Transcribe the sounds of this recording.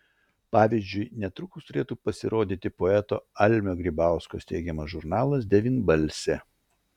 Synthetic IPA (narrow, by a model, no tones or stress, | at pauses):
pɑːʋʲiːzʲd͡ʒʲʊɪnʲɛt̪ɾʊkʊst̪ʊɾʲeːt̪uːpɐsʲɪɾoːd̪ʲiːt̪ʲɪpoɛt̪o̰ːɐlʲmʲoːɡɾʲɪbɑˑʊsko̰ːst̪ʲɛɪɡʲɛmɐsʒʊɾnɑːlˠɐsd̪ʲɛʋʲiːnbɐlʲsʲɛ